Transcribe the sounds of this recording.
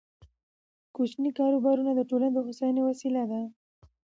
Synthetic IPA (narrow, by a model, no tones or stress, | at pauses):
kut͡ʃnikɑɾobɑɾunad̪əʈolaned̪oxasɑjɑnewasilad̪a